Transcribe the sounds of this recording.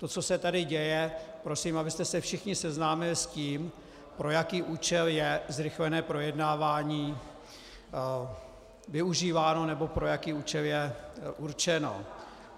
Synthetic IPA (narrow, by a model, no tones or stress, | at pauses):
t̪o̞t͡so̞sɛt̪adɪɟɛjɛpɾo̞siːmʔabɪst̪ɛsɛfʃɪxɲɪsɛznaːmɪlɪsciːm | pɾo̞jakiːʔuːt͡ʃɛljɛzɾɪxlɛnɛːpɾo̞jɛdnaːvaːɲiː | vɪuʒiːvaːno̞nɛbo̞pɾo̞jakiːuːt͡ʃɛljɛʔuɾt͡ʃɛno̰